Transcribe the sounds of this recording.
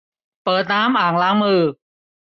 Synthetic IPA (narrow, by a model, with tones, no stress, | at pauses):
pɤː˨˩t̪̚naː˦˥mʔaː˨˩ŋlaː˦˥ŋmɯː˧